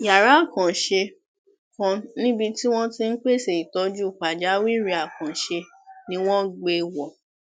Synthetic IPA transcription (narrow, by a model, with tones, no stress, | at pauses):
ja˨ɾa˨˦˨kã˨ʃe˧ | kã˧nĩ˦bi˧ti˦w̃ɔ̃˦ti˧n̩˦k͡pe˦˨se˨i˨tɔ˨˦d͡ʒu˦˨k͡pa˨d͡ʒa˨˦wi˦ɾi˧a˨kã˨ʃe˧ | nĩ˧w̃ɔ̃˦ɡ͡be˧wɔ˨